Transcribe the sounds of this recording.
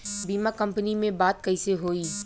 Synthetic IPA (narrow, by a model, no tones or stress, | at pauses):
biːmakɐ̃mpənimẽbaːt̪̚kɐiseɦoːiː